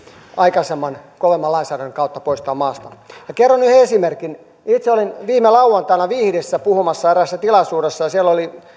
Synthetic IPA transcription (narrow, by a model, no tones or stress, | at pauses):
ɑikɑsemːɑnkoʋemːɑlɑinsæːɾænːeŋkɑut̪ːɑpoist̪ɑːmɑːst̪ɑjɑkerːonyheesimerkin | it̪seolinʋiːmelɑuwɑnt̪ɑinɑʋiːhdesːæpuhumɑsːɑeræsːæt̪ilɑsuːresːɑjɑsielːoli